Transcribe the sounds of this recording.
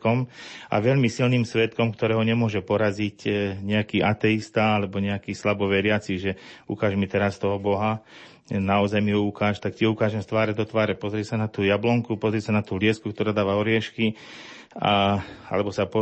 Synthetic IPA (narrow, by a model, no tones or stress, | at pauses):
kɔmʔa̰ʋɛʎmisilniːmsʋɛt̪kɔmkt̪ɔɾɛːɦɔɲɛmʊɔʒɛpɔɾazicɲɛakiːʔat̪ɛist̪aalɛbɔɲɛakiːslabɔʋɛɾɪat͡siʒɛṵkaːʒmit̪ɛɾast̪ɔɦɔbɔɦa | naɔzajmiɦɔukaːʃt̪akciɔukaːʒɛmst̪ʋaːɾɛd̪ɔt̪ʋaːɾɛpɔzɾiɛsanat̪uːjablɔŋkupɔzɾiɛsanat̪uːlɪɛskukt̪ɔɾaːd̪aːʋaɔɾɪɛʃki | aa̰lɛbɔsapɔ